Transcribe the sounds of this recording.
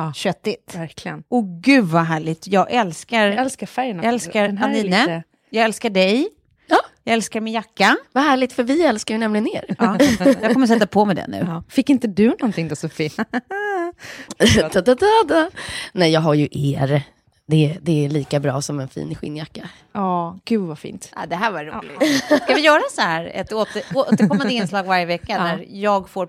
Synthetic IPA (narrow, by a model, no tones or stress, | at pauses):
ɕœt̪ːɪt̪ɾklɪənɔɡʉ̟vaɦæːɭɪɡt̪jɑːɡʔɛlskaɾɛlskafæɾjənaɛlskaɾaniːnə | jɑːɡɛlskaɖɛj | jɑːɡɛlskaɾmɪnjakːavaɦæːɭɪɡ̚t̪fœɾvɪɛlskaɾjɵnɛmlɪɡənːeːɾːjɑkʰɔmːəs̬ɛt̪ːapʰɔmɛd̪ɛ̰nːʉ̟̰ːfɪkːɪnt̪əd̪ɵnɔnt̪ʰɪŋd̪ɛsɔfi | t̪ʰad̪ad̪ad̪anɛjɑːɡɦaɾjɵʔeːɾ | d̪ɛd̪ɛːɭiːkabɾɑːsɔmɛnfḭːnɧɪ̰ːnːjakːa | ɑːɡ̥ʉ̟ːvafḭːnt̪a̰d̪ɛɦæːɾvaɾulɪskavɪjœːɾasɔhæːɾɛ̰t̪oːt̪əoːt̪əɾkʰɔmːand̪əɪnslɑːɡvaɾjəvɛkːanæɾjɑːɡfoːɾ